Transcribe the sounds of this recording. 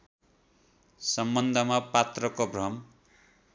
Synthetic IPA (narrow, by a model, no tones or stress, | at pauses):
sʌmbʌnd̪ʱʌmapat̪rʌkoɡrʌm